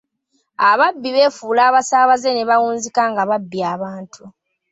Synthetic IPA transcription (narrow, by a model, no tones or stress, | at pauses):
aβabːiβe̞ːfuːlaːβasaːβaze̞ne̞βawuːnzikaŋɡaβabːiaːβaːntʰu